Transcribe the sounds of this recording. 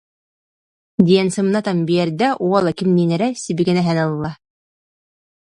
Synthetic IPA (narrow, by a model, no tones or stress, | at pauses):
d̪ʲijænsɤ̆mnɑt̪ɑmbijæɾd̪æʔuwɑlˠɑkɘmninæɾæsibikænæɦænɑlˠɤlːˠɑ